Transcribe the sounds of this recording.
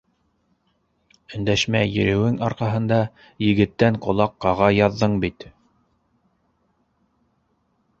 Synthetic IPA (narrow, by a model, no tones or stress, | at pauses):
ɵ̆nd̪æʃmæjɘ̰̆ɾɘ̆wɘŋɑɾqɑɦɤ̆nd̪ɑ | jɘ̆ɡɘ̆t̪ːæŋqŏlˠɑqːɑʁɑjɑðːɤɴbit̪